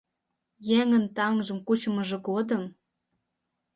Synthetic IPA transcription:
jeŋənt̪ɑŋʒə̆mkut͡ɕəməʒĕɡod̪əm

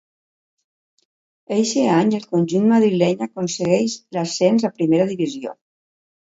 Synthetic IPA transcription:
ejʃeaɲelˠkunʲʒunmaðɾilɛɲakunseɣɛʃlasɛnzapɾimeɾaðiβizio̰

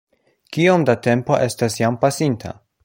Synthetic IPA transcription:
kio̞mdate̞mpo̞̰ʔe̞stasjampasintʰa̰

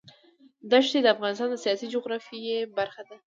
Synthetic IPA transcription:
d̪aʃt̪ed̪əafɣɑnɪst̪ɑnd̪əsijɑsid͡ʒʊɣɾɑfijebaɾxad̪a

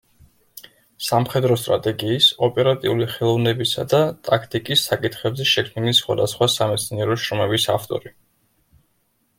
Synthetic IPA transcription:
samχɛd̪ɾɔst̪ʼɾa̰t̪ʼɛɡiːsɔpʼɛɾat̪ʼiuliχɛlˠɔvnɛbisa̰d̪at̪ʼakʰt̪ʼikʼisːakʼit̪ʰχɛbzɛʃɛkʰmilisχwa̰d̪asχwasamɛt̪sʰniɛɾɔʃɾɔmɛbisaft̪ʼɔ̰ɾi

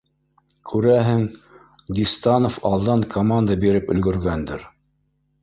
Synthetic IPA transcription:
kʰʉɾæɦɘŋ | d̪ʲist̪ɑnofɑlˠd̪ɑŋkʰomand̪əbiɾɘpɵ̰̆lɡɵ̆ɾɡænd̪ɘɾ

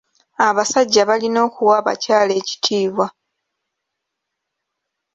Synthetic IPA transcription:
aβasaɟːaβalino̞ːkuwaːβa̰caːle̞ːci̥tʰiːβwa

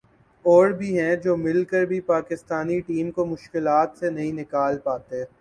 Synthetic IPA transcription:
ɔːɽbʱiɦɛ̃d͡ʒoːmɪlkəɾbʱipaːkɪst̪aːniʈiːmkomʊʃkɪlaːt̪senɐɦĩnɪkaːlpaːt̪eɦɛ̃ː

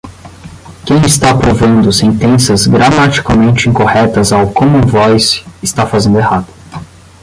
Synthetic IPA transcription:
kẽj̃ɪst̪apɾovɐ̃nd̪ʊsẽnt̪ẽsɐzɡɾamat͡ʃi̥kamẽnt͡ʃɪĩkohɛt̪ɐzawkõmʊʊũvɔjsɪst̪afazẽnd̪ʊehad̪ʊ̥

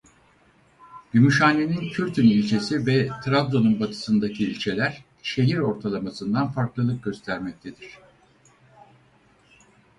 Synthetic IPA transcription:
jymyʃaːnːe̞nincʰyɾt̪ʰynilʲt͡ʃʰe̞sivɛt̪ʰɾavd̪o̞nunbat̪ʰɯ̥sɯnd̪acʰiːlʲt͡ʃʰe̞lʲæɾ̥ | ʃe̞ɦiɾo̞ɾt̪ʰalˠamasɯnd̪anfaɾklˠɯlˠɯk̚ɟø̞st̪ʰæɾmɛc̚t̪ʰe̞d̪iɾ̥

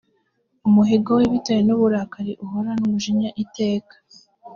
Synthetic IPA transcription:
umuɦeɡoweβitajenuβuɾaːkaɾiʔuɦoɾanuβuʒiɲaʔite̞ːkḁ

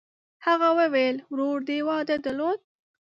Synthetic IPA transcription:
haɣawəwelwɾoɾd̪ewɑd̪ad̪əlod̪̚

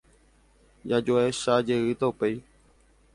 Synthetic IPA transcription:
jad͡ʒoeʃad͡ʒe̞ɨt̪aupej

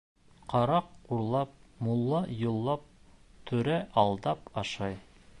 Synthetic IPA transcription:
qʰɑɾɑqːuɾlˠɑp̚mulˠːɑjŏlˠːɑp̚t̪ʰɵ̆ɾæʔɑlˠd̪ɑpɑʃɑj

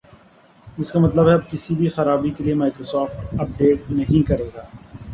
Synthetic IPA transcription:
ɪskamɐt̪ləbɦɛɐb̚kɪsibʱixɐɾaːbikeliemaːɪkɾoːsɔːfʈɐp̚ɖeːʈ̚nɐɦĩkɐɾeːɡaː

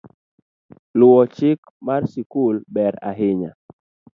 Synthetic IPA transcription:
lʊwɔt͡ʃɪk | marsikulbɛɾa̰ɦɪɲa̰

